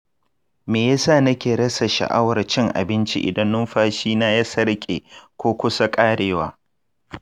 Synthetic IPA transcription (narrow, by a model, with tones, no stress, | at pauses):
meː˨ja˦saː˦˨nɐ˦kʲeː˨ɽɐ˦sa˨ʃɐ̰˨ʔa˦wɐ˨rt͡ʃɪ˦ŋʔa̰˨bɪ˦nt͡ʃḭ˦ʔɪ̰˨dɐ˦nːʊ˦mɸaː˦ʃiː˦naː˦jaː˦sɐ˦ɽkʲʼḛː˨kʷoː˦kʷʊ˦sa˦kʼaː˦ɽeː˨waː˦